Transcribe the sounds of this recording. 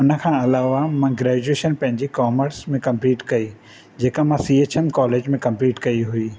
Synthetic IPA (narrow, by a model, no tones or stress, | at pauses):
ʊnə̆kʰãːɐlaːʋamãɡɾɛːd͡ʑueːʃənpɐ̃ɦɪ̃ɲd͡ʑekaːməɾsmẽkɐ̃mpliːʈkɐi | d͡ʑeːkamãsiːeːt͡ɕenkɔːleːd͡ʑmẽkɐ̃mpliːʈkɐiɦʊiː